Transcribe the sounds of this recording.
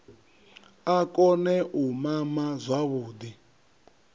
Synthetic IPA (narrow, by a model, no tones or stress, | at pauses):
akʼɔnɛʔumamazʷaβuːd̪i